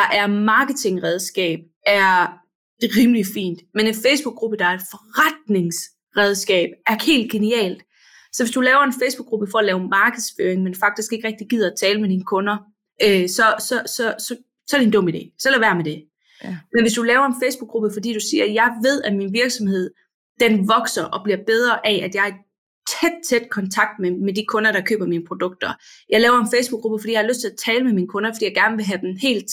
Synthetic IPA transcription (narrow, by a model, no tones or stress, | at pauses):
d̥ɑ̈ʔæɐmɑ̈ːɡ̥ət͡sʰe̝ŋʁɛð̞ˠsɡ̥ɛ̰ːb̥ | æɐ̥ | ʁiːmlifḭːnd̥mene̝nfeɪsb̥uɡ̥ʁub̥əd̥ɑ̈æɐe̝d̥fɒʁɑd̥̚ne̝ŋs | ʁɛð̞ˠsɡ̥ɛ̰ːb̥̚æɐhe̝̰ːld̥̚ɡ̥e̝niɛ̰ːld̥ | sɒ̽ʋe̝sd̥ulɛːʊɐe̝nfeɪsb̥uɡ̥ʁub̥əfɒ̽ælɛːʊmɑ̈ːɡ̥əð̩ˠsføːɐeŋmenfɑ̈ɡ̥d̥isɡ̥e̝ɡ̥ʁɛɡ̥̚d̥iɡ̥ið̞̰ˠɐæt͡sʰɛːləmed̥inəkʰɔ̽nɐ | ʔøsɒ̽sɒ̽sɒ̽sɒ̽ | sɒ̽ædɾe̝nd̥ɔ̽mid̥e̝̰ːslæʋæɐ̰med̥e̝ | menʋe̝sd̥ulɛːʊɐenfeɪsb̥uɡ̥ʁub̥əfɒ̽d̥ḭːd̥usiːɐjɑ̈ɪʋe̝ð̞̰ˠæminʋiɐɡ̥sɒ̽mhe̝ð̞̰ˠ | d̥enʋɒ̽ɡ̥sɐʔɒ̽b̥liɐb̥eð̞ˠʁɐʔɛʔæd̥jɑ̈ɪæ | t͡sʰed̥̚t͡sʰed̥kʰɒ̽nt͡sʰɑ̈ɡ̥̚d̥memedikʰɔ̽nɐɾɑ̈kʰø̰ːb̥ɐmiːnəpʰʁo̝d̥ɔ̽ɡ̥̚d̥ɐ | jɑ̈ɪlɛːʊɐe̝nfeɪsb̥uɡ̥ʁub̥əfd̥ḭjɑhɑløsd̥t͡sʰe̝læt͡sʰɛːləmemiːnəkʰɔ̽nɐfd̥ḭjɑ̈ɪɡ̥æɐnəʋe̝ɦæd̥enhe̝̰ːld̥